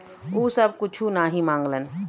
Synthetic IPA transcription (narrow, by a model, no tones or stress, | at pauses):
uːsəb̚kʊt͡ʃʰunaːɦĩmãːŋɡlən